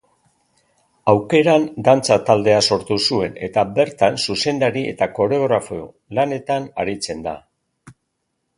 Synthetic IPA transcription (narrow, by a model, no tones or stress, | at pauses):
awke̞ɾand̪ant͡sat̪ald̪e̞aso̞ɾt̪usue̞ne̞̰t̪abe̞ɾt̪ansuse̞nd̪aɾie̞̰t̪ako̞ɾeoɣɾafoo | lane̞t̪ana̰ɾit͡se̞nd̪a̰